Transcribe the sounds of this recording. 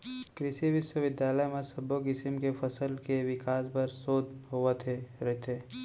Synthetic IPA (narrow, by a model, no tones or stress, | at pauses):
kɾɪʃiʋɪʃwəʋɪd̪jaːləjmẽsɐbokɪsɪmkefɐsəlkeʋɪkaːspɐɾsoːd̪ɦoːət̪ʰeɾɐɦt̪ʰeː